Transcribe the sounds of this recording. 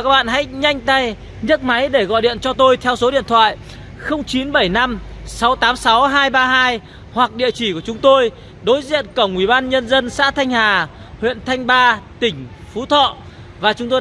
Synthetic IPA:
kaː˦˥k̚ɓa̰ː˧˨nha̰˧˥jɲa˧jŋ̟t̪a˧j | ɲə˦˥t̚ma˨˦jɗe˧˩ɣɔ̰˧˨jɗḭ˧˨ənt͡ɕɔ˧t̪o˧jt̪ʰɛ˧wso˨˦ɗḭ˧˨ənt̪ʰwa̰ː˧˨j | xə˧wŋ͡mt͡ɕi˨˦nɓə˧˩jna˧msa˨˦wt̪aː˨˦msa˨˦wɦaː˧jɓaː˧ɦaː˧j | hwa˨˩k̚ɗḭ˧˨ət͡ɕi˧˩ku˧˩ət͡ɕʊ˨˦ŋ͡mt̪o˧j | ɗo˨˦jzḭ˧˨ənkə˧˩wŋ͡mʔwi˧˩ɓaː˧nɲə˧nzə˧nsa̰ː˧˥t̪ʰa˧jŋ̟haː˨˩ | hwḭ˧˨ənt̪ʰa˧jŋ̟ɓaː˧t̪ï˧˩ŋ̟fu˨˦t̪ʰɔ̰˧˨ | vaː˨˩t͡ɕʊ˨˦ŋ͡mt̪o˧

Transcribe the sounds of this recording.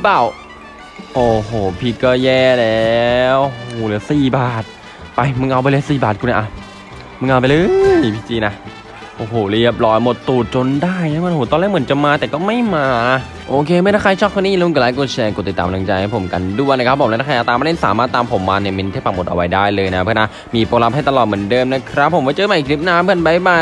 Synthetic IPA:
paː˧˨˩w | ʔoː˨˩hoː˨˩pʰiː˧˩kːɔː˥˩jɛː˥˩lɛ˦˧˥wʔo˧hoː˨˩lɯː˨˩˦siː˨˩baː˨˩t̪̚ | pa˧jmɯ˧ŋʔa˧wpa˧lɤː˧˦siː˨˩baː˨˩t̪̚kʰu˧˨na˧˩ʔa˧˩ | mɯ˧˩ʔa˧p̬a˧lɯː˧˦pʰi˧˥t͡ɕiː˧na˦˥ | ʔoː˨˩ɦoː˨˩li˥˩əp̚lɔː˦˥jmo˨˩t̪ːuː˨˩t̪̚t͡ɕo˧ndaː˥˩jnɛː˧˥ma˧nʔoː˧˩t̪ɔː˧nlɛː˥˩˨mɯ˩˦nt͡ɕa˨˩maː˧t̪ɛː˨˩kɔː˥˩ma˥˩jmaː˧ | ʔoː˧kʰeː˧ma˥˩jɾʰaː˥˩kʰa˧t͡ɕʰɔ˥˩k̪̚ʰːniː˥˨lɛ˦˥mu˧kːlaː˨˦jk̬uː˧˩t͡ɕʰɛː˧ku˨˩t̪ːi˨˩t̪ːaː˨m˨˧la˧ŋt͡ɕa˧jha˥˦˩pʰo˩˦mka̰˧ndu˥˩əjna˦˥kʰɾa˦˥pʰːo˩˦mɛ˦˥˩a˥˧a˧˨a˨˩t̪aː˧ma˧˥e˥˩saː˨˦maː˥˩t̪ːaː˧mpʰo˩˦mːaː˧ni˧˩ɐme˧nt̪ʰeː˦˥˩pːa˧˩ŋmo˨˩t̪̚ʔa̰˧wa˦jdaː˥˩jlɤː˧jna˧˥a˦pʰɯ˥˨˩ʔa˧˩ | miː˧˩poː˧la˦˥p̚ha˥˩t̪a˧lɔː˨˩mɯ˩˦ndɤː˧mna˦˥kʰɾa˦˥pʰːo˩˦mka˧˩t͡ɕɤː˧maː˧˨i˨˩k̚ʰli˦˥p̚naː˦˥mpʰɯ˧˥˨nba˦˥jbaː˧˩

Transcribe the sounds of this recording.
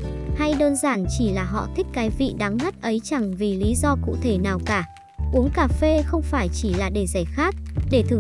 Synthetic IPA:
ha˧jɗəː˧nzaː˧˩nt͡ɕi˧˩laː˨˩ɦɔ̰˧˨t̪ʰï˦˥k̟̚kaː˨˦jvḭ˧˨ɗa˨˦ŋha˦˥t̚ʔə˨˦jt͡ɕa˨˩ŋvi˨˩li˨˦zɔ˧kṵ˧˨t̪ʰe˧˩naː˨˩wkaː˧˩ | ʔu˨˦əŋkaː˧˩fe˧xə˧wŋ͡mfaː˧˩jt͡ɕi˧˩laː˨˩ɗe˧˩za˧˩xaː˦˥k̚ɗe˧˩t̪ʰɨ˨˩

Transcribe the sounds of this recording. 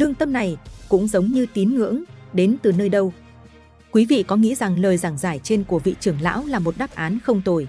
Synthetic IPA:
lɨ˧əŋt̪ə˧mna˨˩jkʊ̰˧˥ŋ͡mzə˨˦wŋ͡mɲɨ˧t̪i˨˦nŋɨ̰˧˥əŋɗe˨˦nt̪ɨ˨˩nəː˧jɗə˧w | kwi˨˦vḭ˧˨kɔ˨˦ŋḭ˧˥za˨˩ŋləː˨˩jzaː˧˩ŋzaː˧˩jt͡ɕe˧nku˧˩əvḭ˧˨t͡ɕɨ˧˩əŋla̰ː˧˥wlaː˨˩mo˨˩t̚ɗaː˦˥p̚ʔaː˨˦nxə˧wŋ͡mt̪o˨˩j

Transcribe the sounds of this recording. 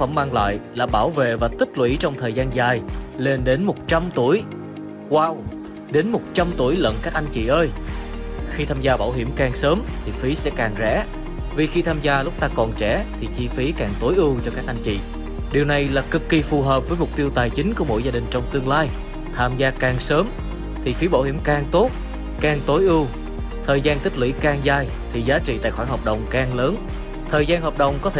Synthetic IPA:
k̚fə˧˩maː˧ŋla̰ː˧˨jlaː˨˩ɓaː˧˩wvḛ˧˨vaː˨˩t̪ï˦˥k̚lwḭ˧˥t͡ɕɔ˧wŋ͡mt̪ʰəː˨˩jzaː˧nzaː˨˩jle˧nɗe˨˦nmo˨˩t̚t͡ɕa˧mt̪u˧˩əj | kwaː˧w | ɗe˨˦nmo˨˩t̚t͡ɕa˧mt̪u˧˩əjlə̰˧˨nkaː˦˥k̚ʔa˧jŋ̟t͡ɕḭ˧˨ʔəː˧j | xi˧t̪ʰaː˧mzaː˧ɓaː˧˩wɦḭ˧˩əmkaː˨˩ŋsəː˨˦mt̪ʰi˨˩fi˨˦sɛ̰˧˥kaː˨˩ŋzɛ̰˧˥ | vi˨˩xi˧t̪ʰaː˧mzaː˧lʊ˦˥k͡p̚t̪aː˧kɔ˨˩nt͡ɕɛ˧˩t̪ʰi˨˩t͡ɕi˧fi˨˦kaː˨˩ŋt̪o˨˦jʔɨ˧wt͡ɕɔ˧kaː˦˥k̚ʔa˧jŋ̟t͡ɕḭ˧˨ | ɗi˨˩əwna˨˩jlaː˨˩kɨ˨˩kːi˨˩fu˨˩ɦəː˨˩p̚vəː˨˦jmʊ˨˩k͡p̚t̪i˧əwt̪aː˨˩jt͡ɕï˨˦ŋ̟ku˧˩əmo̰˧˥jzaː˧ɗï˨˩ŋ̟t͡ɕɔ˧wŋ͡mt̪ɨ˧əŋlaː˧j | t̪ʰaː˧mzaː˧kaː˨˩ŋsəː˨˦m | t̪ʰi˨˩fi˨˦ɓa̰ː˧whḭ˧˩əmkaː˨˩ŋt̪o˦˥t̚ | kaː˨˩ŋt̪o˨˦jʔɨ˧w | t̪ʰəː˨˩jzaː˧nt̪ï˥k̟̚lḭ˧˥kaː˧ŋzaː˧˩j | t̪ʰi˨˩zaː˨˦t͡ɕḭ˧˨t̪a̰ː˧˨jxwaː˧˩hɦəː˨˩p̚ɗə̰˨˩wŋ͡mkaː˨˩ŋləː˨˦n | t̪ʰəː˨˩jzaː˧nhɦəː˨˩p̚ɗə̰˨˩wŋ͡mkɔ˨˦t̪ʰe˧˩

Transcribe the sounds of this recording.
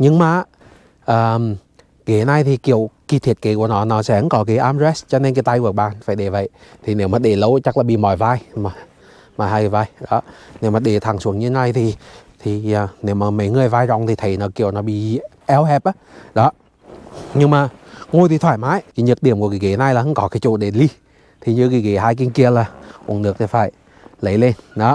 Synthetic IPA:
ɲɨ˧ŋmaː˨˩˦ | ʔəː˨˩m | ki˨˩hna˧jt̪ʰi˨˩ki˧˨əwki˨˧˩t̪ʰi˨˩ət̚kḭ˧˨˦ku˧˩ənɔ˨˦nɔ˨˦sɛ̰˧˦ə˨˦nkɔ˨˦ki˧˦ʔaː˧mzɛ˦˥st͡ɕɔ˧ne˧nki˧˦t̪a˧jku˨˩k̚ɓaː˨˩nfaː˧˩jɗe˧˩və̰˧˨j | t̪ʰi˨˩ne˨˦wmaː˨˩ɗe˧˩lə˨˦wt͡ɕa˦˥laː˨˩ɓḭ˧˨mɔ̰˧˨jvaː˧jmaː˨˩ | mɔaː˨˩haː˧jkːvaː˧jɗɔ˨˦ne˨˦wmaː˨˩ɗe˧˩t̪ʰa˨˩ŋswu˨˩əŋɲɨ˧˨˦na˧jt̪ʰi˨˩t̪ʰi˨˩˨ne˨˦wmaː˨˩mə˨˦jŋɨ˨˩əjvaː˧jzɔ̰˧˨wŋ͡mt̪i˨˩t̪ʰə˨˩jnɔ˨˦ki˧˩əwnɔ˨˦ɓḭ˧˨ʔɛ˧wɦɛ˨˩p̚ʔaː˨˦ɗɔ˨˦ | ɲɨ˧ŋmaː˨˩ŋo˧jt̪ʰi˨˩t̪ʰwaː˧˩jmaː˨˦jki˨˦ɲə˨˩t̚ɗi˧˩əmkki˧˩ki˧˩na˧jlaː˨hə˧˦kɔ˨˦kaː˨˦jt͡ɕṵ˧˨ɗe˧˩li˧ | t̪ʰi˨˩ɲɨ˧ki˧˩kḭ˧˨˦haː˧jk̬i˧ənki˧əlaː˨˩ʔṵ˨˧˩nɨ˨˩ət̪ʰi˨˩faː˧˩j | lə˨˦jle˧nɗɔ˨˦

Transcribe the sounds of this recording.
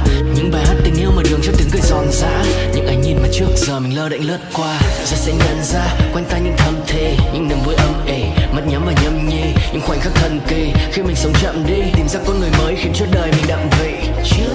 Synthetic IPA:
ɲɨ̰˧˥ŋɓaː˨˩jɦaː˦˥t̚t̪ï˨˩ŋ̟ʔwməː˨˩ɗɨ˨˩əŋt͡ɕɔ˦˥t̪i˨˦ŋkəː˨˧˩jzɔ˨˧˩nza̰ː˧˥ɲɨ̰˧˥ŋʔaː˨˦jŋ̟ɲi˧˩nmaː˨˩t͡ɕɨ˦˥ək̚zəː˨˩mï˨˩ŋləː˧ɗa̰˧˨jŋ̟lɨ˦˥ət̚kwaː˧zɔ˧˥sɛ̰˧˥ɲa̰˧˨nzaː˧˩kwa˧jŋ̟t̪aː˧jɲɨ̰˧˥ŋt̪ʰə˧mt̪ʰe˧˩ɲɨ̰˧˥ŋnɨ˨˩ŋvu˧jʔə˧mʔe˨˩mə˦˥t̚ɲa˨˦mvaː˨˩wɲə˨˦mɲe˧ɲɨ̰˧˥ŋxwa˨˩ŋ̟xa˦˥k̚t̪ʰə˧˩nki˧˩xi˧mï˨˩ŋ̟sə˨˦wŋ͡mt͡ɕa̰˧˨mɗi˧t̪i˨˩mzaː˧kːɔ˧˨˦nŋɨ˨˩əjməː˨˦jxi˨˦nt͡ɕu˦˥ət̚ɗəː˨˩jmi˨˩ŋ̟ɗa̰ː˧˨ŋvḛ˧˨

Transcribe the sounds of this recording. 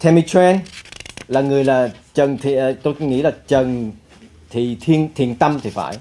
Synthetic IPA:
t̪ʰɛ˧mi˧t͡ɕʰɛ˧nlaː˨˩ŋɨ˨˩əjlaː˨˩t͡ɕə˨˩nt̪ʰi˨˩t̪o˧jŋḭ˧˥laː˨˩t͡ɕə˨˩n | t̪ʰi˨˩t̪ʰi˧ənt̪ʰi˨˩ənt̪ə˧mt̪ʰi˨˩fa̰ː˧˩j

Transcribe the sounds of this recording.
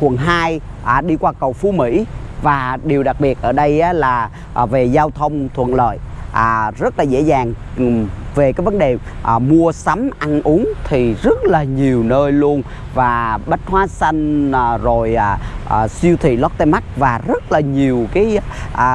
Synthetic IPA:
xwə˨˩nɦaː˧j | ʔːɗi˧kwaː˧kə˨˩wfu˧mḭ˧˥ | vaː˨˩ɗi˨˩wɗa˨˩k̚ɓi˨˩ət̚ʔəː˧˩ɗə˧jʔaː˨˦laː˨˩ | ʔve˨˩zaː˧wt̪ʰə˧wŋ͡mt̪ʰwə̰˧˨nlə̰ː˧˨jʔːzə˦˥t̚laː˨˩zḛ˧˥zaː˨˩ŋ | ve˨˩kaː˨˦jvə˨˦nɗe˨˩ʔmu˧əsa˨˦mʔa˧nʔu˨˦əŋt̪ʰi˨˩zə˦˥t̚laː˨˩ɲi˨˩əwnəː˧jlu˧ən | vaː˨˩ɓə˦˥t̟̚hwaː˨˦sa˧jŋ̟ː˨˩zo˨˩jːʔːsi˧əwt̪ʰḭ˧˨lɔ˦˥t̚t̪e˧ma˦˥k̚vaː˨˩zə˦˥t̚laː˨˩ɲi˨˩əwkaː˨˦jʔː

